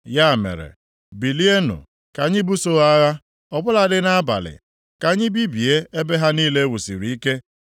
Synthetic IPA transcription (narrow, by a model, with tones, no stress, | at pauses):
ja˦˨mḛ˨ɾḛ˨ | bi˨li˦e˦nʊ̰˨ | ka˨ɲɪ˦bu˦so˦a˦ɣa˦ | ɔ˨bʊ˦la˨dɪ˦na˦a˦ba̰˨lɪ̰˨ | ka˨ɲɪ˦bi˦bi˨e˦e˦be˦ɦa˦niː˦le˦wu˨sḭ˨ɾi˨i˦ke˦